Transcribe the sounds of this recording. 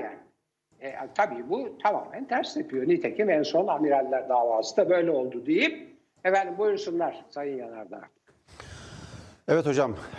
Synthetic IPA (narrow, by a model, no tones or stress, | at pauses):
jæ̰n | ɛt̪ʰabiːbut̪ʰama̰ːmænt̪ʰæɾsɛpʰijonit̪ʰecʰimɛnso̞namiɾalʲːæɾd̪aːvaːsɯd̪abø̞jlʲɛo̞lˠd̪ud̪ejip | ɛfænd̪imbujuɾsunlˠaɾ̥sajɯnjanaɾd̪a̰ | ɛvɛt̪o̞d͡ʒam